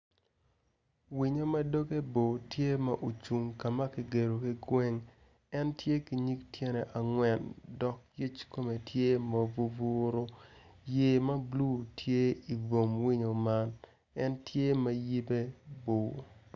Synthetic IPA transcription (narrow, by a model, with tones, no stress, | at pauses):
wi˨ɲo˦mɐ˦do˦ke˦bo˨tje˦ma˦ʔo˨t͡ʃu˨ŋka˨ma˦ki˨ɡe˨ɾo˨ki˦ɡwɛ˦ŋ | ɛ˦ntje˦ki˨ɲi˦ktje˦nɛ˨ʔa˨ŋwɛ˨ndɔ˨k̚ji˦t͡ʃko˦me˨tje˦ma˨vu˨vu˦ɾo˦je˨ma˦blu˦tje˦i˨vo˨mwi˦ɲo˨ma˦n | ɛ˦ntje˦ma˦ji˦be˦bo˨